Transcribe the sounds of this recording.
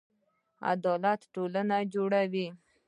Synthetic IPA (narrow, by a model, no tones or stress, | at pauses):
a̰d̪ɑlat̪ʈolanad͡ʒoɽawi